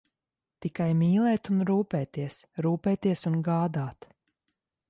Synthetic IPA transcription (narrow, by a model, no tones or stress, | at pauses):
t̪ikajmʲiːlˠɛːt̪unɾuːpɛːt̪iɛsɾuːpɛːt̪iɛsunɡaːd̪aːt̪